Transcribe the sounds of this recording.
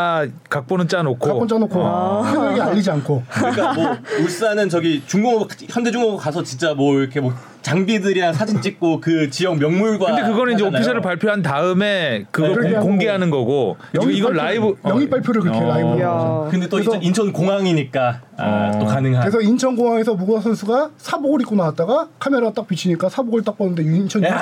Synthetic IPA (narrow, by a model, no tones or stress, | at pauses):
kak̚p͈onɯnt͡ɕ͈anokʰoakpont͡ɕ͈anokʰoɯʌɡiaʎːid͡ʑiankʰoɯɲik͈amous͈anɯnt͡ɕʌɡit͡ɕuŋɡuŋkçjʌnde̞d͡ʑuŋɡoŋkasʰʌt͡ɕint͡ɕ͈amwʌiɾʌkʰemo | t͡ɕaŋbidɯɾiɾaŋsʰad͡ʑint͡ɕ͈ik̚k͈okɯt͡ɕijʌŋmjʌŋmuɭɡwakɯndekɯɡʌnɯnind͡ʑeois̬ʰʌɾɯɭpaɭpʰjoɦantaɯme̞kɯɡʌoŋɡe̞ɦanɯnɡʌɡoiɡʌɭɭaibɯjʌŋip͈aɭpʰjoɾɯɭkɾkʰeɾaibɯɾd͡ʑkɯndet͈osʰint͡ɕʰʌnkoŋaŋiɲik͈aa̰t͈okanɯŋɦakɯɾes̬ʰʌint͡ɕʰʌnɡoŋɦaŋe̞s̬ʰʌmuɡasʰʌnsʰuɡasʰaboɡɯɾik͈onawat̚t͈aɡakʰameɾaɡat͈ak̚p͈it͡ɕʰiɲik͈asʰaboɡɯɭt͈ak̚p͈ʌnɯndent͡ɕʰʌn